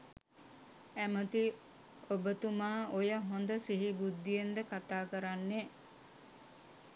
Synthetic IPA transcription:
æmət̪i | obət̪umaːʔojəɦond̪əsiɦibud̪ːijend̪əkat̪aːkəɾanːe

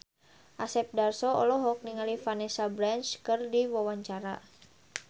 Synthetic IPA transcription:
ʔasɛp̚darsɔɔ̰lɔɦɔk̚niŋalifanɛsabɾant͡ʃkɨrdiwawaɲt͡ʃaɾa̰

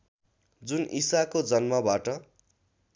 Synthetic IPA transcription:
d͡zunʔisakod͡zʌnmʌbaʈʌ

